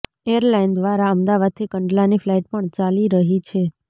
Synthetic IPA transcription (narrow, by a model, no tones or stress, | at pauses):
eəɾlajnd̪ʋaɾaəmd̪aʋad̪̚t̪ʰikəɳɖlaniflaiʈ̚pəɳt͡ʃaliɾəɦit͡ʃʰe